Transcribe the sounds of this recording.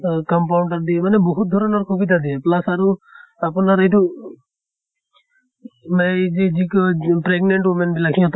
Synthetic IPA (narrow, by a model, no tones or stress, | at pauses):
kɔmpawɳʈaɹd̪iɛmanɛboɦut̪̚d̪ʱɔɹɔnɔɹkʰobit̪̬ad̪ijɛplasaɹuapunaɹejtu | mazizikpɹeɡnɛɳʈwemɛnbilakʰĩɔt̪